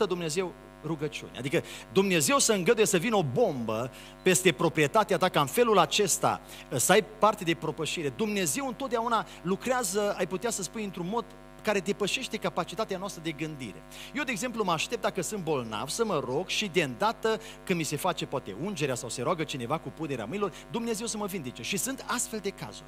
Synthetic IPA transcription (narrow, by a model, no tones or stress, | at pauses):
əd̪umne̞ze̞w | ɾuɡət͡ʃiṵnea̰d̪ikəd̪umne̞ze̞wsəɨŋɡəd̪ujesəvino̞bo̞mbə | pe̞st̪e̞pɾo̞pɾie̞t̪at̪eat̪akaɨnfe̞lulat͡ʃe̞st̪a̰ | səajpart̪ed̪e̞pɾo̞pəʃiɾe̞d̪umne̞ze̞wɨnt̪ot̪d̪eauna | lukɾeazəajput̪easəspunjɨnt̪ɾunmo̞d̪ | kaɾe̞d̪e̞pəʃe̞ʃt̪e̞kapat͡ʃit̪at̪eanoast̪ɾəd̪e̞ɡɨnd̪ḭɾe̞̰jewd̪eɡze̞mpluməaʃt̪ep̚d̪akəsɨnt̪̚bo̞lna̰vsəməɾo̞ɡʃid̪e̞ɨnd̪at̪ə | kɨnmise̞fat͡ʃe̞poat̪e̞̰und͡ʒe̞ɾeasawse̞ɾoaɡət͡ʃine̞vakupune̞ɾea̰mɨnilo̞rd̪umne̞ze̞wsəməvind̪et͡ʃe̞ʃisɨnt̪ast̪fe̞ld̪e̞ka̰zṵrʲ